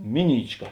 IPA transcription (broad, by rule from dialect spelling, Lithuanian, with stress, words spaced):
ˈmʲɪˌnʲiːt͡ʃˌkɐ